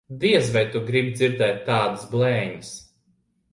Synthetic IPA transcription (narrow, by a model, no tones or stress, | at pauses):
d̪iɛzvajt̪uɡɾib̚d̪zʲiɾd̪ɛːt̪ːɑːd̪əsblˠɛːɲɨs